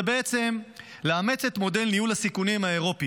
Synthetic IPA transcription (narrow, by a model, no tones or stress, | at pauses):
bee̞t͡se̞m | leame̞t͡se̞t̪mo̞de̞lnijulasikunimae̞ʁo̞pi